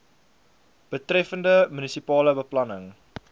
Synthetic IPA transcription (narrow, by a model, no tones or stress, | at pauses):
b̥ətrɛfəndəmynisipɑːləbəplɐnəŋ